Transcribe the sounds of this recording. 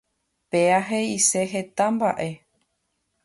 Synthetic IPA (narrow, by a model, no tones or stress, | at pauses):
peaɦeise̞ɦe̞t̪ãmba̰ʔe̞